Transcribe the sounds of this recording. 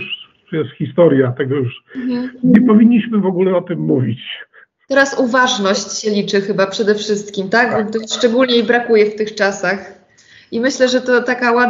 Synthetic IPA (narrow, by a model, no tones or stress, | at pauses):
ʂ | jɛst̪xʲist̪ɔɾjat̪ɛɡɔjuʂ | ɲɛpɔvʲiɲːiɕmɘvɔɡulɛɔt̪ɘmːuvʲit͡ɕ | t̪ɛɾasuvaʐnɔɕt͡ɕɕɛlʲit͡ʂɘxɘbapʂɛd̪ɛfʂɘst̪kʲimt̪akt̪ɔʂt͡ʂɛɡulɲɛibɾakujɛft̪ɘxt͡ʂasax | imɘɕlɛʐɛt̪ɔt̪akawa